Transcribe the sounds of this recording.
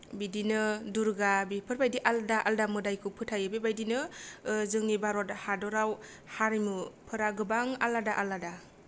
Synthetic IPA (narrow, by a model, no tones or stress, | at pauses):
bidinɯduɾɡabipʰɯɾbajdiʔaldaʔaldamɯdajkʰɯpʰɯtʰajɯbebajdinɯzɯŋnibaɾɔthadɔɾaw | haɾimupʰɯɾaɡɯbaŋa̰ladaʔalada